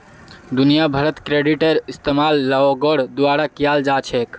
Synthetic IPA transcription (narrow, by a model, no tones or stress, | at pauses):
d̪unijabʱəɾət̪kɾeɖiʈəɾist̪emalːaoɡəɽd̪uaɾakijald͡ʒat͡ʃʰek